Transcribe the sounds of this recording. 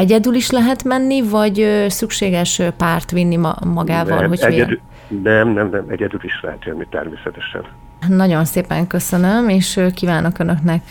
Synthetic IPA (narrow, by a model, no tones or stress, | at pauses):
ɛɟɛd̪yliʃlɛɦɛt̪mɛnːivɒɟøsykʃeːɡɛʃpaːrt̪ʋinːim̰mɒɡaːvɒ̰lɦo̞cɛɛd̪ | nɛmnɛmnɛmɛɟɛd̪yliʃlɛ̰ɦɛt̪ʋɛnːit̪ɛ̰rmeːsɛt̪ɛʃɛ̰n | nɒɟo̞nseːpɛ̰ŋkø̞sønømeːʃkiːvaːno̞kønø̞knɛk